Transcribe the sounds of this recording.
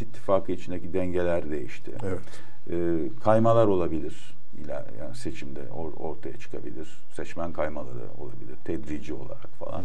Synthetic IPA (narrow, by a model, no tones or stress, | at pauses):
it̪ʰːifaːkʰɯit͡ʃʰind̪ecid̪ɛɲɟe̞lʲæɾd̪e̞jiʃt̪ʰɪ̰evɛt̪ː | kʰajmalˠaɾo̞lˠabilʲiɾ̥ | ḭlʲæ̰ja̰ːnise̞t͡ʃʰimd̪ɛ̰oɾo̞̰ɾt̪ʰajat͡ʃʰɯ̥kʰabilʲiɾ̥ | sɛt͡ʃmænkʰajmalˠaɾɯ̰o̞̰lˠabilʲiɾ̥t̪ʰɛd̪ɾid͡ʒio̞lˠa̰ɾakfa̰lˠa̰n